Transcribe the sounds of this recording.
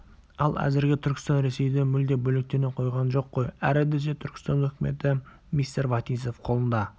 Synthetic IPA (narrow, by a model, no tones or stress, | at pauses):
ɑlˠæ̰zɪɾɡʲɪt̪ʰʏɾkʲɪ̥st̪ɑnɾe̞se̞jd̪emʏld̪ebɵlɪk̚t̪e̞neqʰo̞jʁɑnʒo̞qːo̞jæɾed̪eset̪ʰʏɾkʲɪ̥st̪ɑnɵkʲɪme̞̰t̪ɪ | mʲist̪eɾvɑt̪iso̞fqʰo̞lˠənd̪ɑ